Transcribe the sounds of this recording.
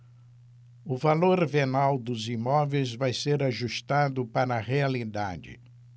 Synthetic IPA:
ʊvaloɾvenawd̪ʊzimɔvejzvajseɾaʒuʃt̪ad̪ʊpaɾɐʁealid̪a̰d͡ʒɪ̰

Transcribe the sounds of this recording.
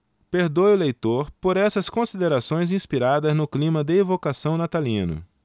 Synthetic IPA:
peɾd̪ojʊlejt̪oɾpoɾɛsɐskõsid̪eɾasõj̃zĩspiɾad̪ɐznʊklĩmɐd̪ɪevokasɐ̃w̃nat̪alĩnʊ̰

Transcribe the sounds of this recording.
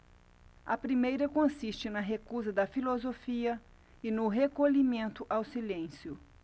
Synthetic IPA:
ɐpɾimejɾɐkõsist͡ʃɪnɐɦekuzɐd̪ɐfilozofiɐ | ɪnʊɦekolimẽnt̪ʊʔawsilẽsjʊ

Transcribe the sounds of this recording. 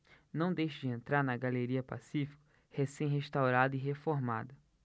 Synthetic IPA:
nɐ̃w̃d̪ejʃʊd͡ʒɪẽnt̪ɾaɾnɐɡaleɾiɐpa̰sifi̥kʊ | hesẽj̃ɦeʃt̪awɾad̪ʊiɦefoɾma̰d̪ɐ

